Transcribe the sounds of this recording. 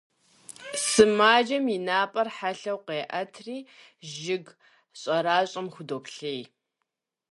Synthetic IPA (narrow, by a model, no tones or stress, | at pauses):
sɨmaːd͡ʒɐminaːpʼɐrħaɬɐwqeːʔɐtʰriː | ʒɪɡ | ɕʼɐɾaːɕʼɐmxʷʊdoːpɬej